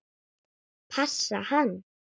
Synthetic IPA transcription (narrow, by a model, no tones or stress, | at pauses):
pʰasːahan